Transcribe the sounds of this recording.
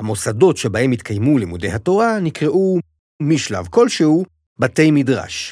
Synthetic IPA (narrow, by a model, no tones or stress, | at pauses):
hamo̞sado̞tʃebahe̞mit̪kʰajmulimudejhato̞ʁanikʁeʔu | miʃla̰vko̞lʃehu | bate̞jmidʁa̰ʃ